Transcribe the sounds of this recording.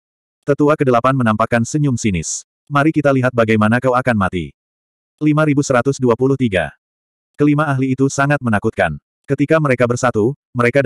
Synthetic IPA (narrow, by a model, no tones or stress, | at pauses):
t̪ət̪uakədəlapanmənampakansəɲʊmsinɪ̰s | maɾikit̪aliɦat̪̚baɡajmanakawakanmat̪ḭ | limaɾibusəɾat̪ʊsduapulʊht̪iɡa̰ | kəlimaːɦliːt̪usaŋat̪̚mənakut̪̚ka̰n | kət̪ikaməɾekabərsat̪u | məɾeka